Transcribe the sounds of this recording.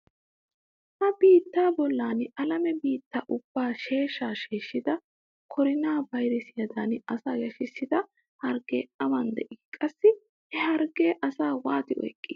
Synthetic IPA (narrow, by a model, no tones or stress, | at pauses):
hɐbiːt̪ːaːbɔlːaːnɐlɐmɛbiːt̪ːaʔʊb̥ːaːʃe̞ːʃːaːʃeːʃːɪd̪ɐ | kʰɔɾɪnaːbɐjɾɛsɪjɐd̪aːnɐsaːjɐʃɪsːɪd̪ɐ | hɐɾɡḛːɐmɐnd̪ɛ̰ʔiːkʼɐsːɪ | ɛhɐɾɡe̞ːʔɐsaːwaːt̪ɪʔɔ̰jkʼːiː